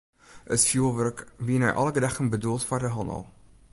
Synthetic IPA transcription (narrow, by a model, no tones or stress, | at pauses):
ʔətfjulˠʋərkʋiənɛ̰jʔɑ̰ləɡədaχənbədulˠtfɔrdəɦɑnə̰lˠ